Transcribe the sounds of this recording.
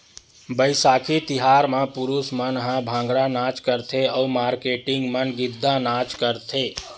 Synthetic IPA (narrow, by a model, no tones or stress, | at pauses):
bəɪsakʰit̪iɦaɾmẽpuɾusmənɦãbʱãːŋɡɽanat͡ʃkəɾt̪ʰeəumaːɾkeʈiŋɡmənɡid̪ʱːanat͡ʃkəɾt̪ʰe